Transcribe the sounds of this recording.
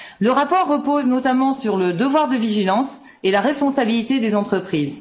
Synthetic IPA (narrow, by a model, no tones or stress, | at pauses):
ləʁapɔʁːəpoznɔt̪amɑ̃syʁləd̪əvwaʁd̪əviʒilɑ̃s | elaʁɛspɔ̃sabilit̪ed̪ezɑ̃t̪χəpχiːz